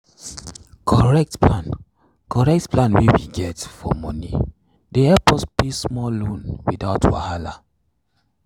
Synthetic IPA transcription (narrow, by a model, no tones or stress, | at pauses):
kʰɔɹɛk̚tplãn | kɔɹɛk̚tplãnwewḭɡɛtfɔ̰mɔnḭ | dehɛpɔsbismɔllõnwidaʊtwa̰hala